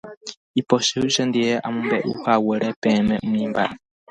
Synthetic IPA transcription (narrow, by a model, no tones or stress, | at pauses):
ipɔʃɛuʃɛnd̪ijɛʔamumbɛʔṵhawɛɺɛpɛːmɛʔumiːmba̰i